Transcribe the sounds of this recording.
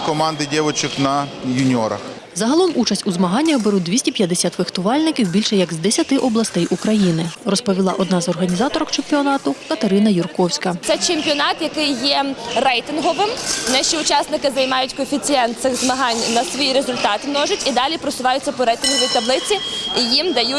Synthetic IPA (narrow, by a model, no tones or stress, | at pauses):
kɔmɑnd̪ɪdʲɛʋɔt͡ʃɪknɐjʊnʲɔɾɐ̰x | zɐɦɐlˠɔmut͡ʃɐsʲtʲuzmɐɦɑnʲːɐxbeɾud̪ʋʲisʲtʲipʲjɐd̪esʲat̪ʋɪxt̪ʊʋɑlʲnɪkʲiwbʲilʲʃɛjɐɡzd̪esʲɐt̪ɪʔɔblˠɐst̪ɛjʔukɾɐjinɪrɔspɔʋʲilˠɑ̰ʔɔd̪nɑzɔrɦɐnʲizɑt̪ɔɾɔkt͡ʃempʲiɔnɑt̪ʊkɐt̪eɾɪnɐjʊrkɔwsʲkɐt̪sɛt͡ʃemʲpʲiɔnɑt̪jɐkɪjːɛrɛjt̪ɪnɦɔʋɪmnɛʃiʊt͡ʃɑsnɪkɪzɐjmɑjʊtʲkɔfʲit͡sʲiɛnt̪t̪sɪɣzmɐɦɑnʲnɐsʋɔjiɾezʊlʲt̪ɑt̪ɪnɔʒʊtʲid̪ɑlʲipɾɔsʊʋɑjʊt͡sʲːɐpɔɾɛjt̪ɪnɦɔʋʲijit̪ɐblˠɪt͡sʲiijimd̪ɐju